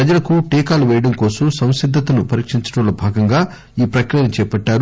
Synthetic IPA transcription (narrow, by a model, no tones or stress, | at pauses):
pɾɐd͡ʒɐlɐkuʈiːkaːluʋɛːjɐɽɐmkoːsɐmsɐ̃w̃sid̪ʱːɐt̪ɐnupɐɾiːkʂiɲt͡ʃɐ̥ʈɐloːbʱaːɡɐŋɡaː | iːpɾɐkɾijɐnt͡ʃɛːpɐʈːaːɾu